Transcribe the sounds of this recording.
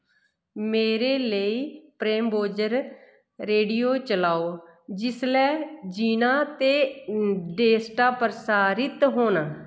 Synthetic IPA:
meːɾeːləiːpɾeːmboːd͡ʒəɾ | ɾeːɖijoːt͡ʃəlaːoː | d͡ʒɪslɛːd͡ʒiːnaːt̪eː | ɖeːsʈaːpəɾsaːɾɪt̪ɦoːnaː

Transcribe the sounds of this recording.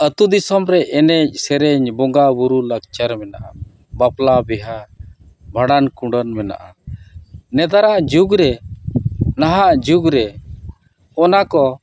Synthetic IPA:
ət̪ud̪isɔmɾɛʔɛnɛc̚sɛɾɛɲbɔŋɡabuɾulakt͡ʃaɾmɛna̰ʔa | baplabɛɦa | bʱaɽankuɖənmɛna̰ʔa | nɛd̪aɾaʔd͡ʒuɡɾɛ | naɦaʔd͡ʒuɡɾɛ | kɔnakɔ

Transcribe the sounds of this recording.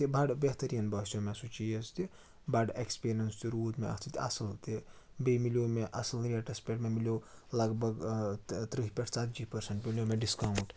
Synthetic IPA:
t̪ibaɖbeɦt̪əɾijɐnbɐsiomeɐsut͡ʃijɐst̪i | baɖekspiɾjɐnst̪iɾuːd̪meɐ̰t̪ʰit̪ɐ̰sɐlt̪i | bemiljomeʔɐsɐlɾiaʈɐspeʈmemiljolɐɡbʱɐɡt̪ɾiɦpʲeʈʰt͡sat̪̚d͡ʒipɐɾseɳʈmiljomeɖiskawuɳʈ

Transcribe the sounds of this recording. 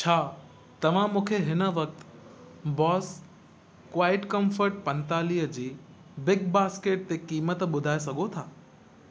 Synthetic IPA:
t͡ɕʰaː | t̪ɐʋ̤ãmũːkʰeɦɪnə̆ʋɐk̚t̪ | bɔːs | kʋaːɪʈkəmfəɾʈ̚pɐ̃nt̪aːliːɦəd͡ʑiː | bɪɡ̚baːskeːʈ̚t̪ekiːmət̪ɓʊd̪ʱaːes̬ɐɡʱot̪ʰaː

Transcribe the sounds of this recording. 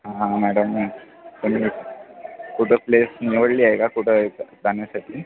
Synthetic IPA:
ɦããmæɽəm | t̪um̤iː | kuʈʰeplesniʋəɽliːaekakuʈʰekd͡zaɳjasaʈʰiː

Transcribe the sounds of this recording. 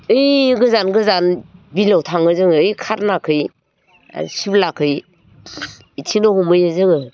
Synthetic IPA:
ɯjɡɯzanɡɯzanbilawtʰaŋɯzɯŋɯɯjkʰaɾnakʰɯj | a̰siblakʰɯj | itʰinɔhumɯjɯzɯŋɯ

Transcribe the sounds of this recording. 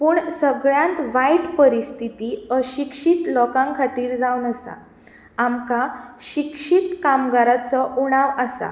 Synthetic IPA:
puːɳsəɡɭjãnt̪ʋajʈpəɾist̪ʰit̪iːəɕikʂit̪lɔkãŋkʰat̪iːɾd͡zawnəsa̰ | amkaɕikʂit̪kamɡaɾat͡sɔʔuɽ̃aʋasa̰

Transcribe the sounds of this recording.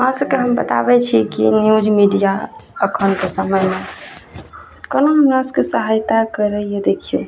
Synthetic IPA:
oɦãsəb̚keɦəmbət̪a̰bɛt͡ʃʰikḭnjud͡ʒmiɖijaəkʰənkesəməjme | kənoɦəmɾasəkesəɦajt̪akəɾəjəd̪ekʰijũ

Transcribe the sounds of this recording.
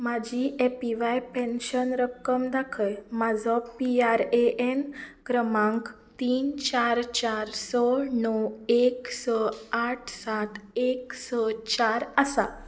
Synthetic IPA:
mad͡ʑʱiʔepiʋajpẽnɕənɾəkːəmd̪akʰəjmad͡zʱɔpiaɾeʔenkɾəmãŋk | t̪iːnt͡ɕaɾt͡ɕaɾsɔnɔweksɔaʈʰsaʈʰeksɔt͡ɕaɾəsa̰

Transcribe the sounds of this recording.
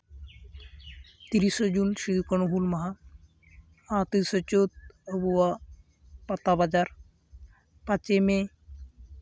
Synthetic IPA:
t̪iɾisɔd͡ʒunʃid̪ukəɳuɦulmɐɦa | at̪isɔt͡ʃot̪̚əbuwa | pat̪abad͡ʒaɾ | pat͡ʃeme

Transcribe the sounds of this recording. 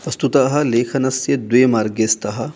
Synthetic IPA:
pɐst̪ut̪aːɦɐ̆leːkʰɐnɐsjɐd̪wujɐmaːɾɡeːst̪ɐɦɐ̆

